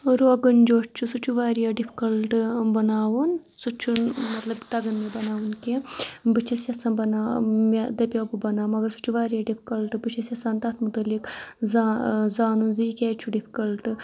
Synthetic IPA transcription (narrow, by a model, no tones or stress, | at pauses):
ɾoːɡɐnd͡ʒoːt͡ʃt͡ʃʰusut͡ʃʰuʋaːɾijɐɖipʰi̥kɐlʈɨbɐnaːwun | sut͡ʃʰunmɐt̪lɐbt̪ɐɡɐnmebɐnaːʋunkebɨt͡ʃʰɐsʲjɐsanbɐnaːmed̪ɐpʲoːbubɐnaːmɐɡɐɾsu̥t͡ʃʰuʋaːɾijɐɖipʰikɐlʈbɨt͡ʃʰɐsʲɐsaːnt̪ɐt̪ʰmut̪ɐlːikzazaːnunziːkʲeːt͡ʃʰuɖipʰi̥kɐlʈ